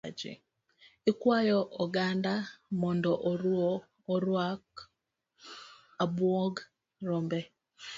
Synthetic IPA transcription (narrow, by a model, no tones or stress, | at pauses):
d͡ʒḭ | ikwajɔʔɔɡandamɔndɔʔɔɾɔː | ɾwak | abwɔɡ | rɔmbɛ